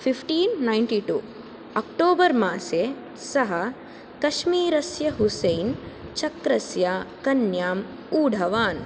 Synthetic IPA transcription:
fʰipʰʈiːnːajnʈiʈṵː | ɐkʈoːbɐɾmaːseː | sɐɦɐ | kɐʃmiːɾɐsjɐɦusejnt͡ʃɐkɾɐsjakɐnjaːm | uːɖʱɐʋaːn

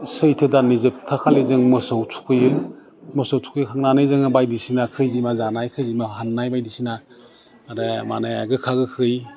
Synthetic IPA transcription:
sɯjtʰɯdanizɯp̚tʰakʰalezɯŋmɯsowtʰu̥kʰɯjɯ | mɯsowtʰu̥kʰɯjɯkʰaŋnanɯjzɯŋɯbajdisinakʰɯjzimazanajkʰɯjzimaɦanːajbajdisina | ɾamanajaɡɯkʰaɡɯkʰɯj

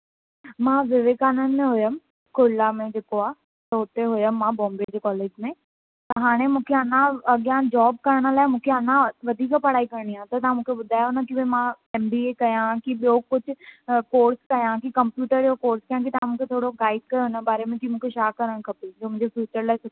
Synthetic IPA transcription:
mãːʋɪʋekaːnənɪ̆mẽɦʊjəm | kʊlamẽd͡ʑeːkoaː | t̪ɐʊt̪eɦʊjəmːãbɔ̃ːmbed͡ʑeːkɔːleːd͡ʑmẽ | t̪ɐɦaːɽ̃emũːkʰeɐnãɐɠjãd͡ʑɔːb̚kɐɾəɽ̃ə̆laːɪmũːkʰeɐnãʋɐd̪ʱiːkpɐɽaːikɐɾəɽ̃iãt̪ɐt̪ɐɦãmũːkʰeɓʊd̪ʱaːjonakiʋemã | ɛːmbiekɐjãkiɓijokʊd͡ʑʱʊ̆koːɾskɐjãkikɐ̃mpjuːʈəɾjokoːɾskɐɦãkit̪ɐɦãmũːkʰet̪ʰoːɽoɡaːɪɖ̚kɐjoɦɪnəɓaːɾemẽkimũːkʰeʃaːkːɐɾəɽ̃kʰɐpid͡ʑoːmʊ̃ɲd͡ʑefjuːt͡ɕəɾlaːɪsʊ

